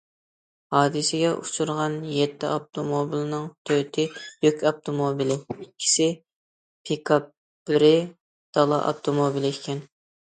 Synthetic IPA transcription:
hɑːd̪ɨsɪɡʲɛʔut͡ʃʰuɾʁɑnjɛt̪ʰːɪʔɑp̚t̪ʰomobilˠɪnɨŋt̪ʰøt̪ʰɪjykʲɑp̚t̪ʰomobilɪikʲʰːi̥sɪ | pʰikʰɑ | bɪɾɪ | d̪̥ɑlˠɑ̰ʔɑ̰p̚t̪ʰomobilˠɪɪkʲʰɛn

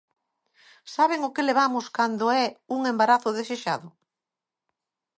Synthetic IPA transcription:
saβeŋʊkɪleβ̞amʊskand̪ʊɛuŋembaɾaθʊðeseʃaðʊ

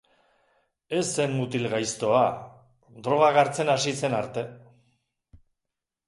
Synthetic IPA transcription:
e̞semmut̪ilɣajst̪o̞a | d̪ɾo̞ɣ̞aɣaɾt͡se̞nasise̞naɾt̪e̞

